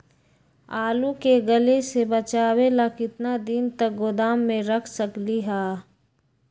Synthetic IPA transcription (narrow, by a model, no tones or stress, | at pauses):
aːlukeɡəlesebɐt͡ʃaːwelakɪt̪nad̪ɪnt̪ək̚ɡʊd̪aːmːẽɾɐkʰsəkliɦaː